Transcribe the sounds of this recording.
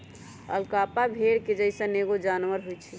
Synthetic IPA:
ə̰lkapabʱeɽked͡ʒəɪsə̃neɡod͡ʒanʋəɾɦojt͡ʃʰɛ

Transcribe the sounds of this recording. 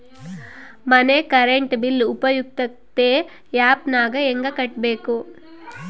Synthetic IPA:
mɐnekɐɾeɳʈbilːupɐjuk̚t̪ɐkt̪eː | jaːpnaːɡɐeŋɡɐkɐʈ̚be̞ːku

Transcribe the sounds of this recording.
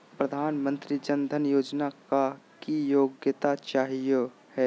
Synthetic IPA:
pɾəd̪ʱaːnmə̃nt̪ɾid͡ʒənd̪ʱənjoːd͡ʒnaka | kijoːɡjət̪at͡ʃaːɦijo | hɛː

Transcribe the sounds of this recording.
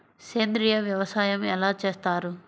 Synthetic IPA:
seːnd̪ɾijɐʋjɐʋɐsaːjɐmɛlaːt͡ʃeːst̪aːɾu

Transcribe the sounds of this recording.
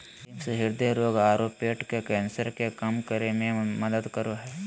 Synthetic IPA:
iksɦɪɾd̪eɾoːɡaːɾoːpeːʈkekɛ̃ːnsəɾkekɐmkəɾemẽmɐd̪əd̪kəɾoɦɛː

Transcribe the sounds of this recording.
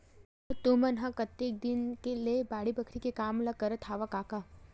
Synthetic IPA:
t̪umɐnɦãkɐt̪ːek̚d̪ɪnkelebaːɽibɐkʰɾikekaːmlɐkɐɾət̪ʰaːʋakaːka

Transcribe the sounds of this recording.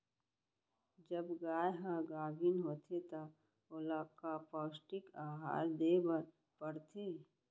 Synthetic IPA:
d͡ʒəbɡaːjɦãɡaːbʱinɦoːt̪ʰet̪a | oləkkapɔːsʈɪkaːɦa̰ːɾd̪eːbəɾ | pəɾt̪ʰe

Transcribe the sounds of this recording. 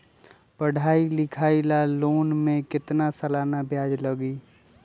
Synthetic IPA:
pəɽ̤ʱaːilɪkʰaːilaloːnmẽkɪt̪nasəlaːnabʱjaːd͡ʒləɡiː

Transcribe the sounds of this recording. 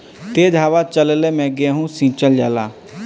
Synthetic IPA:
t̪eːd̪ʱaːʋat͡ʃəllemɛ̃ːɡɪeɦũsĩːt͡ʃəld͡ʒaːlaː

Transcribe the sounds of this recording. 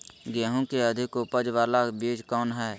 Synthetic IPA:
ɡɛːɦõkeəd̪ʱɪkʊpəd͡ʒʋaːlabiːd͡ʒkɔːnɦɛː

